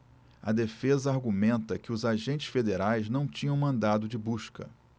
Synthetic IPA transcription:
ɐ̰d̪efezɐaɾɡumẽnt̪ɐkɪʊzaʒẽnt͡ʃɪ̥sfed̪eɾajznɐ̃w̃t͡ʃĩɲɐ̃w̃mɐ̃nd̪ad̪ʊd͡ʒɪbuʃkɐ̰

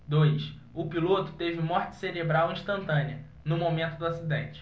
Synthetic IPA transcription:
d̪ojs | ʊpilot̪ʊ̥t̪evɪmɔɾt͡ʃɪ̥seɾebɾawĩʃt̪ɐ̃nt̪ɐ̃niɐ | nʊmomẽnt̪ʊd̪ʊasid̪ẽnt͡ʃɪ̥

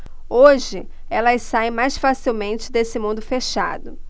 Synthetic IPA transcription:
oʒɪɛlɐɪsaj̃majsfasiwmẽnt͡ʃɪd̪esɪmũnd̪ʊfeʃa̰d̪ʊ

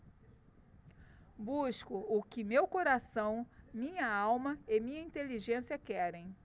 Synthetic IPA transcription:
buskʊʊkɪmewkoɾasɐ̃w̃mĩɲɐawmɐɪmĩɲɐĩt̪eliʒẽsiɐkɛɾẽj̃

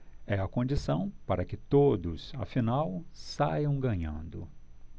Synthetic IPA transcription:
ɛɐkõnd͡ʒisɐ̃w̃paɾɐkɪt̪od̪ʊsɐ̰finawsajɐ̃w̃ɡɐ̃ɲɐ̰̃nd̪ʊ̰

